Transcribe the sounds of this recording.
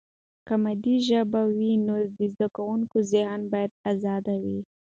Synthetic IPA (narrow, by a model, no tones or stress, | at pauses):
kamad̪iʒəbawinod̪əzd̪akawuŋkozɪɦnbɑjad̪azɑd̪awi